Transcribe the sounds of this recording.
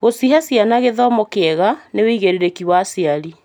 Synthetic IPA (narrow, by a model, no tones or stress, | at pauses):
ɣosiɦasjanaɣeðɔmɔkeɛɣanewiiɣeɾeɾekiwasiaɾi